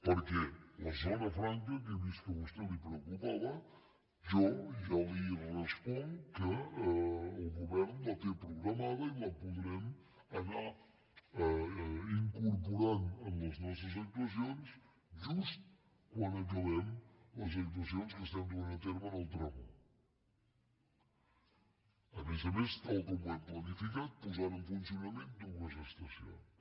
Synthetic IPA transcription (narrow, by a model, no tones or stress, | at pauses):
pəɾkɛlɐzonɐfɾaŋk̬ɐk̬ed̪iskəβust̪elipɾewkupaðɐ | ʒoialilrəspɔŋkəː | lˠɣuβɛɾnulɐt̪epɾuɣɾɐmaðɐilɐpuðɾɛm | ɐna | iŋkuɾp̬uɾanɐnɐznɔs̬ɐz̬ɐk̚t̪wɐsjons | ʒust̪ | kwãnd̪ɐkɐβɛmɐz̬ɐk̚t̪̬wɐsjõnskəst̪ãnd̪uanɐt̪eɾmɐðɐwt̪ɾamɐ | ɐβezɐmest̪alˠkomajplɐnifikat̪̚puzaɾufunsjunɐmẽnt̪̚d̪umɐʒest̪ɐsjõ̰ŋ